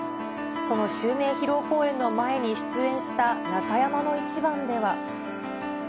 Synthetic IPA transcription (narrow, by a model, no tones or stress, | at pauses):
so̞no̞ɕɨːme̞ːçiɾo̞ːko̞ːẽ̞nːo̞mae̞ɲ̟iɕɨ̥t͡sɨẽ̞ɰ̃ɕi̥t̪anakajamano̞it͡ɕibãnd̪e̞βa